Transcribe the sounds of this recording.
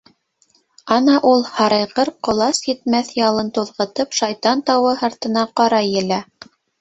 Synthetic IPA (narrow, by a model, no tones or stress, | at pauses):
ɑnɑʔulˠhɑɾɤjʁɤɾqŏlˠɑsjɘ̆t̪mæθjɑlˠɤnt̪uðʁɤ̆t̪ɤpʃɑjt̪ɑnt̪ɑwɤhɑɾt̪ɤ̆nɑqɑɾɑjɘ̆læ